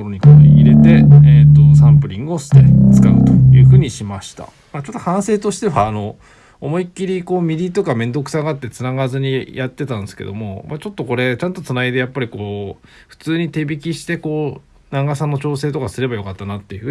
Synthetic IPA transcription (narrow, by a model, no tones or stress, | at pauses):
oɾoɲ̟ikoiɾe̞t̪e̞et̪ːosãmpɯ̟ɾʲĩŋɡɯo̞sɨ̥t̪e̞t͡sɨ̥kaɯ̟̰t̪o̞jɯ̟ːɸɯ̟ːɲ̟iɕimaɕi̥t̪a̰ | mat͡ɕo̞t̪ːohãɰ̃se̞ːt̪o̞ɕi̥t̪e̞βaːno̞ | omo̞ikʲːiɾʲiko̞ːmʲiɾʲit̪o̞kamẽ̞nd̪o̞kɯ̟̥saɡaat̪ːe̞t͡sɨnaɡazɨɲ̟ijat̪ːe̞t̪ãnd̪esɨ̥ke̞̰d̪o̞̰mo̞mat͡ɕo̞t̪ːo̞ko̞ɾe̞t͡ɕãnt̪o̞t͡sɨnaid̪e̞japːaɾʲiko̞ː | ɸɯ̟̥t͡sɨːɲ̟it̪e̞bʲikʲiɕi̥t̪e̞ko̞ː | naŋɡasãnːo̞t͡ɕo̞ːse̞ːt̪o̞kasɨɾe̞bajo̞kat̪ːanat̪ːe̞jɯ̟